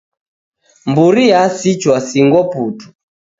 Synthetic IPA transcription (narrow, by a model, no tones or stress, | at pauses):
mbuɾijasit͡ʃwasiŋɡɔputu̥